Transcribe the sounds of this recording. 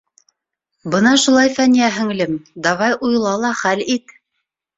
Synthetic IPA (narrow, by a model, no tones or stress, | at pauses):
bɤnɑʃulˠɑjfænijæɦɘ̆ŋlɘmd̪ɑʁɑjʔujlˠɑlˠɑχælit̪